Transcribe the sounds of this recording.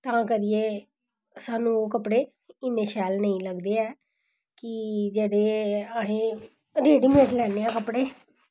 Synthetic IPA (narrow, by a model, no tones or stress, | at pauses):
t̪ãːkəɾɪːeː | saːnũːoːkəpɽeː | ɪnẽːʃɛːlnəĩːləɡd̪eːɛː | kɪd͡ʒeːɽeːəɦeː | ɾeːɖiːmeːʈlɛːneːãːkəpɽeː